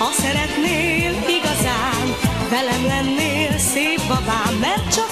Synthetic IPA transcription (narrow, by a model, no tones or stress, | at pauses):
ɒsɛɾɛt̪neːliɡɒzaː | n | vɛlɛmlɛnːeːlseːpʋɒvaːɛr̚t͡ʃɒ